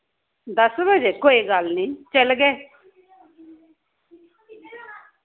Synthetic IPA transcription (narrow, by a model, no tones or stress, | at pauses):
d̪əsbəd͡ʒeːkoːiːɡəlnĩːt͡ʃəlɡɛː